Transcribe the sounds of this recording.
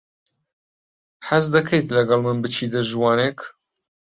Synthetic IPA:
ħazd̪ɐkʰejt̪lɐɡɐlˠmɨnbɨt͡ʃʰiːd̪ɐʒwɑːnek

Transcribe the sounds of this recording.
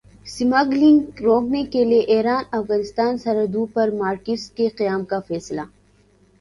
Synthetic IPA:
sɪmaɡlɪ̃ŋɡɾoːknekelieʔeːɦɾaːnɐfɣaːnɪst̪aːnsɐɾɐd̪upɐɾmaːɾkɪskeqijaːmkafɛːsla

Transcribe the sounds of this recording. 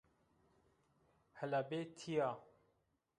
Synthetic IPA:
həlabeːt̪ʰijaː

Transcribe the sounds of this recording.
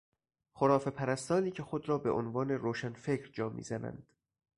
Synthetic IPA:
χoɾɒːfe̞pʰæɾæst̪ɒːniːcʰe̞xod̪ɾɒːbeʔonvɒːneɾoːʃænfe̞cɾd͡ʒɒːmʔḭːzænæ̰nd̪̥

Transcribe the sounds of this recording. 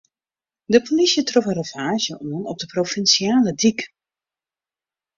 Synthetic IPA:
dəpʰolisjətroxə̃rəvaːʒjəʔoənɔb̚dəprofɛnsjaːlədik

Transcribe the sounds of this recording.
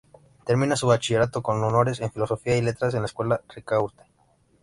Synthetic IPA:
t̪eɾmĩnasuβat͡ʃiʝe̞ɾat̪o̞ko̞nono̞ɾese̞ɱfilo̞so̞fiaile̞t̪ɾasenlaeskwe̞larikauɾt̪e̥

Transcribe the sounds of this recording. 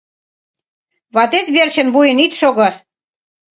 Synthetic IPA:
βɑt̪et̪βert͡ɕə̆nbujə̆nit̪ʃoɣɤ̆

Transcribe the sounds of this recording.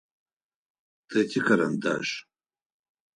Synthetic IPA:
d̥etʰikʰaɾanda̰ʒ

